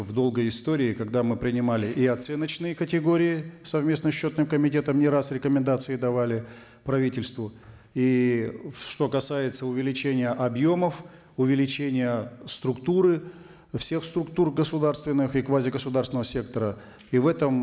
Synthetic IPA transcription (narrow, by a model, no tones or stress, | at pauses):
vd̪o̞lˠɡəjɪst̪oɾʲɪːkɐɡd̪amɨpɾʲɪnʲɪmalʲɪʔiɐt̪sɛnət͡ɕnɨjəkətʲɪɡo̞ɾʲɪɪsɐvmʲe̞snəɕːo̞t̪nɨmkəmʲɪtʲe̞t̪əmnʲɪɾasɾʲɪkəmʲɪnd̪at̪sɨɪd̪ɐvalʲɪ | pɾɐvʲitʲɪlʲst̪vʊ | i | ʂt̪o̞kɐsajɪt̪səʊvʲɪlʲɪt͡ɕenʲɪjəʔɐbjo̞məf | ʊvʲɪlʲɪt͡ɕenʲɪjəst̪ɾʊkt̪uɾɨ | fsʲe̞xst̪ɾʊkt̪urɡəsʊd̪arst̪vʲɪnːɨxikvazʲɪɡəsʊd̪arsvɪnəvəsʲe̞k̚t̪əɾə | ivɛt̪əm